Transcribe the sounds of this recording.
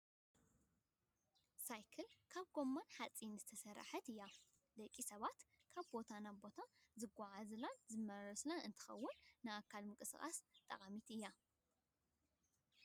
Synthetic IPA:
sajkʰɐlkʰaβɡo̞mːanħat͡sʼːinzɨt̪ʰɐsɐɾa̰ħɐt̪ɨjːa | d̪ɐkʼːisɐβat̪ | kʰaβbo̞t̪ʰanabo̞t̪ʰazɨɡʷːaʕazlanzɨmːɐɾɐslanɨnt̪ʰɨ̥xɐ̰wːʊnːɨakʰːalmɨkʼɨsɨxʼa̰st̪ʼɐ̰χʼamit̪ɨjːa

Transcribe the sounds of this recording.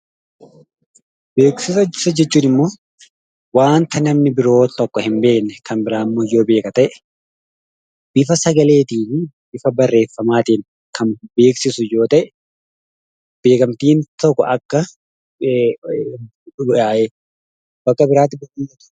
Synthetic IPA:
beːksɪsɐɪsɐd͡ʒɛt͡ʃːuːnɪmːo̞ː | waːnt̪ɐnɐmnɪbɪɾo̞ːt̪ɔkːɔhɪmbe̞ːknːɛkʰɐnbɪɾaːmːoːjːo̞ːbe̞ːkʼɐt̪ɐʔɛ̥ | b̥ɪfɐsɐɡɐle̞ːt̪iːnbɪfɐbɐrːe̞ːfːɐmaːt̪iːn | kʰɐnbe̞ːksɪsʊjo̞ːt̪ɐʔɛ | b̥e̞ːkɐmt̪iːnt̪ɔkːɔ̰ʔɐkːɐ | aːʔe | bɐkːɐbɪɾaːt̪ːɪbɐiːjoːt̪ɐ̥

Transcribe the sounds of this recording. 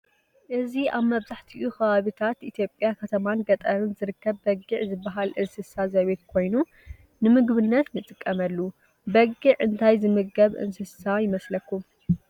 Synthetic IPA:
ʔɨziaβmɐβzaħt̪ʰiʔuxɐβaβit̪ʰat̪it̪ʰjo̞pʼːjakʰɐt̪ʰɐmanɡɐt̪ʼɐɾɨnzɨɾɨkːɐβːɐɡɨʕzɨbːɐɦalʔɨnsɨsazɐβet̪̚kʰo̞jnu | nɨmɨɡβɨnːɐt̪nɨt͡s̪ʼɨkʼːɐmɐlːu | bɐɡɨʕɨnt̪ʰajzɨmɨɡɐβʔɨ̰nsɨsajɪmɐslɐkːum

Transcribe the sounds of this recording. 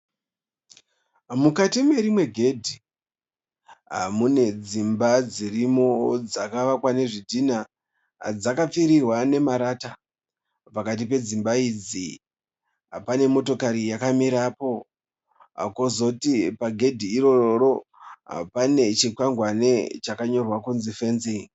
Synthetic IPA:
mukatime̞ɾimwe̞ɡʱe̞dʱi | ɦa̰mune̞d͡zimbad͡zirimod͡zakaʋakwane̞ʐidʱina | d͡zakap͡fiɾirwane̞maɾata | pakat̬ip̬e̞d͡zimbaid͡zi | ɦa̰pane̞mo̞to̞kaɾijakamiɾapo̞ | a̰kozo̞tipaɡʱe̞dʱiːɾo̞oɾo̞ɦa̰pane̞t͡ʃikwaŋɡwanet͡ʃakaɲo̞rwakunzife̞nzi

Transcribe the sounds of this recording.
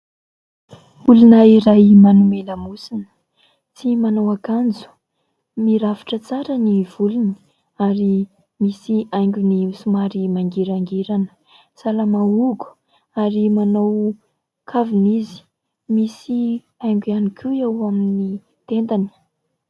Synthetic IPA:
ulunəiɾajmanumeləmusinə̥ | t͡simanawakand͡zu̥ | miɾaviʈ͡ʂət͡saɾəniv̥uluni̥ | aɾi | misiajŋɡʲunisumaɾimaŋɡiɾaŋɡeɾanə̥ | salamauɡu̥ | aɾimanow | kʰavinizi̥ | misi | ajŋɡʲuanikʰʲuewamini | t̪ent̪ani̥

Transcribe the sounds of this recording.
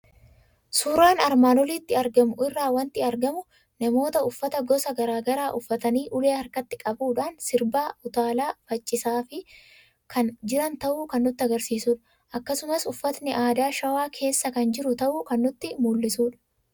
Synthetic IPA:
suːɾaːnɐɾmaːnɔliːt̪ːɪɐɾɡɐmʊʔɪrːaːwɐnt̪ɪɐɾɡɐmʊ | nɐmo̞ːt̪ɐʊfːɐt̪ɐɡɔsɐɡɐɾaːɡɐɾaːʔʊfːɐt̪ɐniːʔʊle̞ːhɐɾkɐt̪ːɪkʼɐbuːᶑaːnsɪɾbaːʊt̪aːlaːfɐt͡ʃʼːɪsaːfɪ | kʰɐnd͡ʒɪɾɐnt̪ɐʔuːkɐnːʊt̪ːɪɐɡɐɾsiːsuːᶑɐ̥ | ʔɐkːɐsʊmɐsʊfːɐt̪nɪʔaːd̪aːʃɐwaːkʰe̞ːsːɐkɐnd͡ʒɪɾʊt̪ɐʔuːkɐnːʊt̪ːɪmuːlːɪsuːᶑɐ̥

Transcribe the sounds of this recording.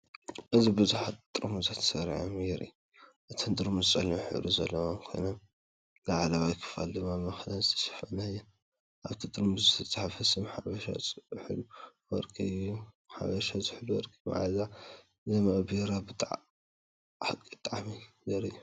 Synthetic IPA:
ʔɨzibɨzuħat̪t̪ʼɾmuzat̪ʰsɐɾʕomjɛɾʔḭju | ʔɨt̪ʰɐnd̪ʼɨɾmuzt͡sʼɐluħɨ̰luzɐ̰lːɐwaŋkʰo̰nom | laʕalɐwajkʰɨ̥fa̰ld̪ɨmːamɐxlanzɨt̪ʰɐ̥ʃɐ̥fɐnajːɛn | ʔaβt̪ʰit̪ʼɨɾmuzɨt̪ʰɐt͡sʼːaħafɐsɨmħaβɐʃa̰t͡sʼħɨluwɐɾkʰʼiu | ħa̰βɐʃazɨħɨluwɔ̰ɾkʰʼɨa̰ʕa̰za | zɐmaʔbeɾabɨt̪ʼʕ | ħakʼit̪ʼaʕamijɛɾɨjːu

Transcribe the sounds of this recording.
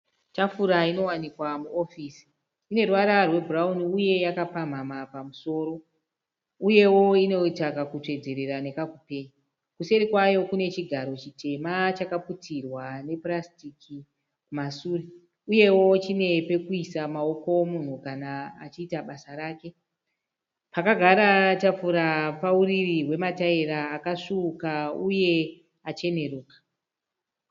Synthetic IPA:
t͡ʃafuɾaino̞wanikwamuo̞fiːsi̥ | ine̞rwaɾarwe̞bʱurauniuje̞jakapam̤amapamuso̞ːɾo̞ | uje̞wo̞ino̞itakakutwe̞d͡ze̞ɾe̞ɾane̞kakupe̞ːɲi | kuse̞ɾikwajo̞kune̞t͡ʃiɡʱaɾo̞t͡ʃitʰe̞mat͡ʃakaputirwane̞prastiki | kumasuri | uje̞wo̞t͡ʃine̞pe̞kuisamao̞ko̞mun̤ukanaːt͡ʃiːtaɓasaɾaːke̞ | pakaɡʱaɾatap͡fuɾapauririwe̞mataeɾaːkaʂukauje̞ | at͡ʃe̞ne̞ruːkḁ

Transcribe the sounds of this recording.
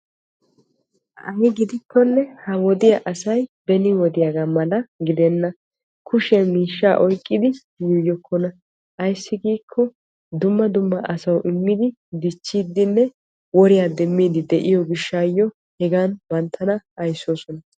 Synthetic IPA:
ɐjɪɡɪd̪ɪkːɔnːɛhɐwɔd̪ɪjɐʔɐsɐjbɛnɪwɔd̪ɪjaɡaːmɐlɐɡɪd̪ɛnːɐ | kʰʊʃɛmiːʃːaːʔɔjkʼːɪd̪ɪ | jʊjɔkʰːɔnɐ | ʔɐjsːɪɡiːkʰːɔ | d̪ʊmːɐd̪ʊmːɐʔɐsɐwʔɪmːɪd̪ɪ | d̪ɪt͡ʃːiːd̪ːɪnːɛ | wɔɾɪjaːd̪ɛmːiːd̪ɪd̪ɛʔɪjɔɡɪʃːaːjːɔ | hɛɡaːnbɐnt̪ʰːɐnɐɐjso̞ːsɔnɐ

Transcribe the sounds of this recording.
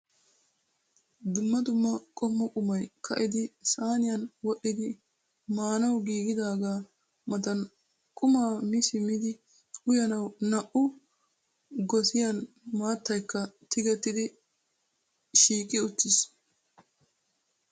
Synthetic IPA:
d̪ʊmːɐd̪ʊmːɐkʼɔmːɔkʼʊmɐjkʰɐʔɪd̪ɪsaːnɪjɐnwɔʔɪd̪ɪ | maːnɐwɡiːɡɪd̪aːɡaː | mɐt̪ɐn | kʼʊmaːmɪsɪmɪd̪ɪ | ʊjɐnɐwnɐʔʊ | ɡɔsɪjɐn | maːt̪ːɐjkːɐt̪ɪɡɛt̪ːɪd̪ɪ | ʃiːkʼɪʊt̪ːɪs

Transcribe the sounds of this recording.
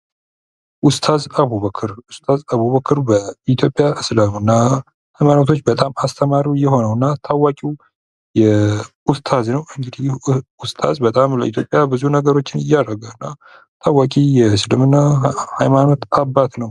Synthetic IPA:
ʔʊst̪ʰazəβuβəkʰɨɾʊst̪ʰazəβuβəkʰɨɾbəit̪ʰjo̞pʼːjaʔɨslamɨnːa | hajmanot̪ʰo̞t͡ʃːbət̪ʼamast̪ʰəmaɾiwjɛho̞nəwɨnːat̪ʰawakʼiw | jɛ | ʊst̪ʰaznəwɨŋɡɨd̪iʊst̪ʰa̰zbət̪ʼamlə̰it̪ʰjopʼjabɨzunəɡəɾo̞t͡ʃːɪnɪjːaɾəɡawɨnːa | t̪ʰawakʼijɛsɨlɨmɨnːahajmano̞t̪abːat̪nəw

